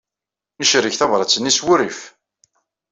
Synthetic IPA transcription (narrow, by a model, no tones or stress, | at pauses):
nəʃɾəçθɑvɾˤɑt͡sːənːiswʊɾif